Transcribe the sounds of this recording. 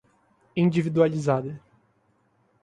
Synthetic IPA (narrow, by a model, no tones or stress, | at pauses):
ĩnd͡ʒivid̪ualizad̪ɐ